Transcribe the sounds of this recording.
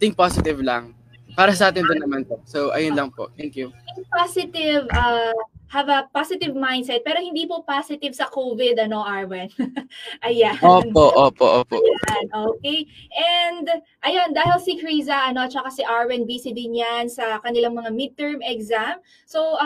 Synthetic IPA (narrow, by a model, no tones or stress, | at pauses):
t̪ɪ̃ŋk̚pasɪt̪ɪvlɐŋ | paːɾɐsɐʔaːt̪ɪnd̪onːɐmanposowʔɐ̰jʊnlɐŋpoʔt̪ɛŋkjuɪŋpasɪt̪ɪvʔɐhɐvɐpasɪt̪ɪvmajnd̪sɛt̪̚pɛːɾohɪ̃nd̪iːpopasɪt̪ɪvsɐkovɪd̪ɐno̞ʔaɹwɛnʔɐjaoːpoʔoːpoʔopoanʔokejʔɛnd̪ | ʔɐjond̪aːɦɪlsikɹiːzɐʔɐno̞t͡ʃɐkasiʔaɹwɛnbiːsɪd̪ɪnjansɐkɐnɪlaŋmɐŋamɪd̪̚t̪ɛɹmɛɡzam | soʔ